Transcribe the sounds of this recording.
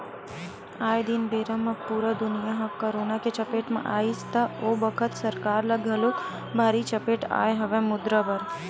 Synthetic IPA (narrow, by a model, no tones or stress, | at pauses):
ajd̪inbeɾamãpuɾəd̪ʊnijaɦəkːəɾonaket͡ʃəpeʈmã̰ʔaist̪aobəkʰət̪səɾkaɾləɡʱəlũk | bʱaɾit͡ʃəpeʈa̰jɦəʋemʊd̪ɾəbəɾ